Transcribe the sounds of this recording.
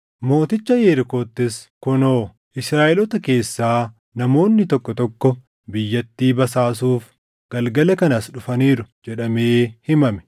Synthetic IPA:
mo̞ːt̪ɪt͡ʃːɐjeːɾɪko̞ːt̪ːɪskʊno̞ː | ʔɪsɾaːʔɛlɔt̪ɐke̞ːsːaː | nɐmo̞ːnːɪt̪ɔkːɔt̪ɔkːɔ | bɪjːɐt̪ːiːbɐsaːs̬uːf | ɡ̥ɐlɡɐlɐkɐnɐsᶑʊfɐniːɾʊd͡ʒɛᶑɐme̞ːhɪmɐmɛ̥

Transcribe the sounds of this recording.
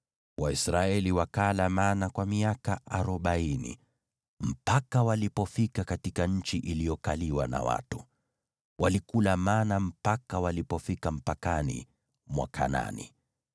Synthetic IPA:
wʔaisɾaɛliwakalamanakwamiakaʔaɾɔɓainḭ | m̩pakawalipɔfikakatikaɲ̩t͡ʃiʔilijɔkaliwana̰wa̰tu | wʔalikulamanam̩pakawalipɔfikam̩pakanḭ | mwa̰kʰa̰na̰nḭ

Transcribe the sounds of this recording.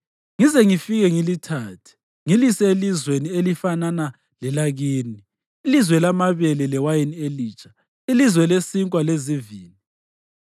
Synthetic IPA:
ŋizɛŋifiɣɛŋilitʰaːtʰi̥ | ŋilisɛelizwenielifanana | lɛlaɣiːni | ilizwɛlamaβelilɛwajinieliːt͡ʃʼʰḁ | ilizwɛlesiŋkʼwaleziviːli

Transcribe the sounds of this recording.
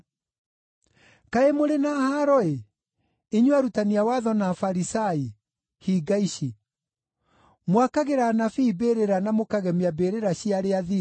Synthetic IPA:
kaemoɾenahaɾɔe | iɲwaɾutaniawaðɔnafaɾisai | hiɡaiɕi | mwakaɣeɾanafiːbeːɾeɾanamokaɣɛmiabeːɾeɾaɕiaɾeaði

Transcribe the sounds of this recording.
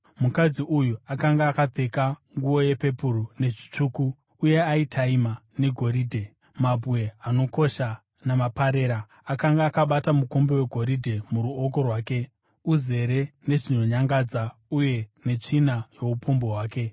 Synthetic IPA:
mukad͡ziʔujuakaŋɡaːkab͡ve̞kaŋɡuo̞je̞pe̞purune̞ʐi̥t͡ʂuːkuː | je̞aitʰaimane̞ɡʱo̞ɾiːdʱe̞ | mabʱwe̞ano̞ko̞ʃa | namapaɾe̞ːɾa | akaŋɡaːkaɓatamukumbewe̞ɡʱo̞ɾidʱe̞muɾuoko̞rwaːke̞ | uze̞ɾe̞ne̞ʐino̞ɲaŋɡad͡zauje̞ne̞t͡ʂinajo̞upumboɦwaːke̞

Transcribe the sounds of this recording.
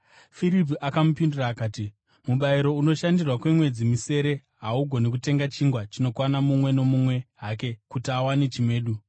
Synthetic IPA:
fiɾip̬iʔakamupinduraːkaːti | muɓaiɾo̞uno̞ʃandirwakwe̞mwe̞d͡zimise̞ɾe̞ | ɦauɡʱo̞nik̬ute̞ŋɡat͡ʃiŋɡwat͡ʃino̞kwanamumwe̞no̞mumwe̞ɦaːke̞kutiawanet͡ʃimwe̞ːɗu

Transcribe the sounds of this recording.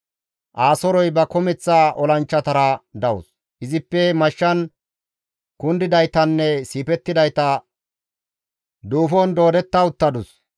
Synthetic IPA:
ʔaːsɔɾɔjbɐkɔmɛt͡sːaʔɔlɐnt͡ʃːɐt̪ɐɾɐd̪ɐwʊ̰s | ʔɪzɪpːɛmɐʃːɐn | kʊnd̪ɪd̪ɐjt̪ɐnːɛsiːpɛt̪ːɪd̪ɐjt̪ɐ | d̪uːfɔnd̪o̞ːd̪ɛt̪ːɐʊt̪ːɐd̪ʊs

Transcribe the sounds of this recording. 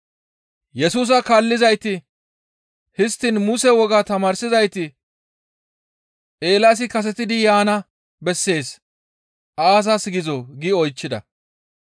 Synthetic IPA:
jɛsuːs̬ɐkaːlːɪzɐjt̪ɪ | hɪst̪ːɪnmʊsɛwɔɡaːt̪ɐmaːɾsɪzɐjt̪ɪ | ʔe̞ːlas̬ɪkɐs̬ɛt̪ɪd̪ɪjaːnɐ | bɛsːe̞ːs | ʔaːs̬ɐsɡɪzɔɡɪɔjt͡ʃːɪd̪ɐ̰

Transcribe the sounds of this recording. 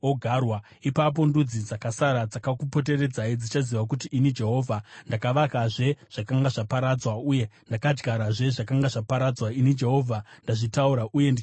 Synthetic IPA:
oɡʱarwa | ipap̬o̞ndud͡zid͡zakasaɾad͡zakakupo̞t̬e̞re̞d͡zaid͡zit͡ʃaziʋakut̬iʔːnid͡ʒe̞ɦo̞ːvʱandakaʋakaʐe̞ʐ̥akaŋɡaʐapaɾad͡zwauje̞ndakad͡ʒɡaɾaʐe̞ʐakaŋɡaʐapaɾad͡zwainid͡ʒe̞ɦo̞vʱandaʐitauɾaʔuje̞ndi

